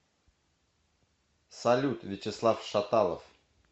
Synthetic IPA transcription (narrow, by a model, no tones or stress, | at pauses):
sɐlʲut̪vʲɪt͡ɕɪslˠafʂat̪alˠə̰f